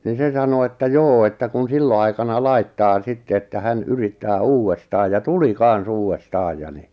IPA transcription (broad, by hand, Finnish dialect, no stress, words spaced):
ni se sɑno etːæ joː etːæ kun silːo ɑikɑnɑ lɑitːɑː sitːe etːæ hæn yritːæː uːwːestɑːj jɑ tuli kɑn̞s uːwːestɑːj jɑ ni